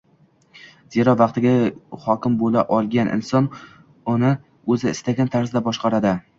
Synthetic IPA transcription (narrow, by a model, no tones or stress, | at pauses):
ze̞ɾɒvɑqt̪ʰɪɡʲahɒkʲɪmbolaʔɒlˠɡʲanʔɪ̰nsɒn | ʊnɪ | ɵzɪːst̪aɡʲant̪ʰaɾsɪd̪abɒʃqɑɾad̪ɪ